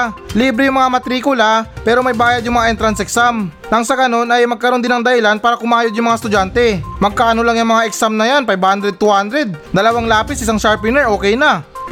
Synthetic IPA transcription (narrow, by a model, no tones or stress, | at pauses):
liːbɾɛjʊŋmɐŋamɐt̪ɾiːkʊlapɛːɾomɐjbaːjɐd̪jʊŋmɐŋaʔɛnt̪ɾɐnsɛksamnɐŋsɐɡɐno̞nɐjmɐɡ̚kɐɾonɪnɐŋd̪ɐhɪlanpaːɾɐkʊmaːjod̪jʊŋmɐŋast̪ʊd͡ʒant̪ɛmɐɡ̚kaːʔɐnolaŋjʊŋmɐŋaʔɛksamnɐjanpɐjbhand̪ɾɛd̪̚t̪uhand̪ɾɛd̪̚d̪ɐlɐwaŋlaːpɪsʔɪs̬aŋʃaɹpɪnɛɹʔo̞ːkɛjnɐ